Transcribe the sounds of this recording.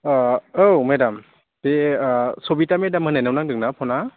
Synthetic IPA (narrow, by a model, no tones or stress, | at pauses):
owmedam | tesobitamedamhɯnajnawnaŋdɯŋnapʰɔna